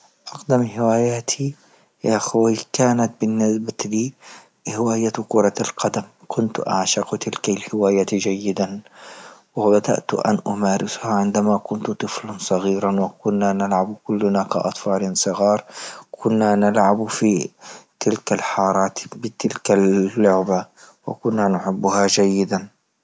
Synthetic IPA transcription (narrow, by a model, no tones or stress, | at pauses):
ʔɑqd̪amhɪwaːjaːt̪ʰi | jaʔxwikaːnat̪̚bɪnːɪsbaliː | hɪwaːjakʊɾˤɑlqɑd̪am | kʰʊnt̪ʔa̰ʕʃɑqt̪ɪlkalhɪwaːjat̪d͡ʒajːɪd̪an | wɪbad̪a̰ʔt̪ʔa̰nʔʊmaːɾɪshaʕɪnd̪amakʊnt̪t̪ˤɨflansˤɑɣiːɾɑnwɪkʊnːanalʕabkʊlːhʊnaka̰ʔɑ̰t̪ˤfɑːlɪnsˤɨɣɑːɾˤkʰʊnːanalʕabfit̪ʰɪlkalħɑːɾˤɑːt̪bɪt̪ɪlkalːʊʕba | wɪ̰kʊnːanʊħɪbːʊhad͡ʒajːɪd̪an